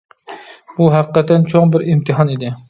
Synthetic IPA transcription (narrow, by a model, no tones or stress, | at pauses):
b̥ʊɦaqɨ̥qʰːɑt̪ʰːant͡ʃʰoŋbɪɾɪmt̪ʰɪɦɒned̪ɪ